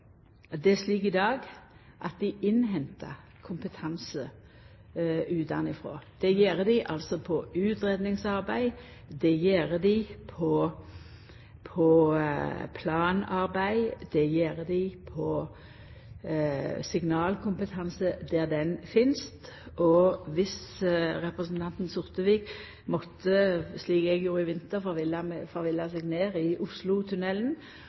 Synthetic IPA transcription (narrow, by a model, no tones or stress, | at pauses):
d̪ɛʂliːkɪd̪ɑːɡ | ʔɑ̰t̪̚d̪ɪʔɪnɦɛnt̪ə̰ | kʰʊmpət̪ʰɑnsə | ʉːt̪ɑ̰nɪfɾo̰ːd̪̥ɛjeːʁəd̪ɪʔɑlsɔpʰɔʉːt̪ɾɛd̪nɪŋsɑɾbæɪd̪ɛjeːɾəd̪ɪpʰɔ | pʰɔ | pʰlɑːnɑɾbæɪd̪̥ɛjeːɾəd̪ɪpʰɔ | sɪɡnɑːlkʰʊmpət̪ʰɑnsəd̪æʁd̪ɛnfɪnst̪ʔɔʋɪsʁɛpʁəsn̩t̪ʰɑnt̪n̩sʊʁt̪əʋiːk | mɔt̪ʰːəsliːkɛɡjuːɾəɪʋɪnt̪əʁfɔʋɪlɑmfɔʁʋɪlːɑsɛːɡneːʁɪʔʊslʊt̪ʰʉnɛln